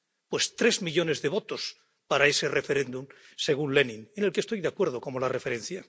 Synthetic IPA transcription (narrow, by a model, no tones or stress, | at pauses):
pwe̞st̪ɾe̞zmiʎo̞ne̞zðe̞βo̞t̪o̞s | paɾae̞se̞re̞fe̞ɾẽ̞nd̪um | se̞ɣ̞unlenĩne̞ne̞lkest̪o̞jðeakwe̞ɾð̞o̞ko̞mo̞lare̞fe̞ɾe̞n̟θja